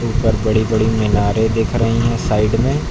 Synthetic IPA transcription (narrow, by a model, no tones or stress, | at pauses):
uːpəɾbɐɽibɐɽimɪnaːɾẽd̪eːkʰɾɐɦiɦɛ̃saːɪɖmẽː